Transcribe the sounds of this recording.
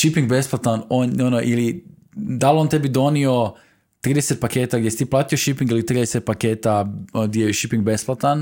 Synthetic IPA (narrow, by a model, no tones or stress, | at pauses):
ʃipiŋɡbe̞splˠat̪anononoʔili | d̪alˠont̪ebid̪o̞nio | t̪ɾiːd̪eset̪̚pakeːt̪aɡdʲjest̪iplˠaːt̪ioʃipiŋɡilit̪ɾiːd̪eset̪̚pake̞ːt̪aɡd̪jejeʃipiŋɡ̚be̞splˠat̪an